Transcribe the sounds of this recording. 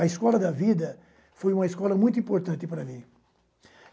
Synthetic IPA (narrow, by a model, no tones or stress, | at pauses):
ɐiskɔlɐd̪ɐvid̪ɐ | fojũmɐiskɔlɐmũj̃t̪ʊĩmpoɾt̪ɐ̃nt̪ɪpɐɾɐmĩ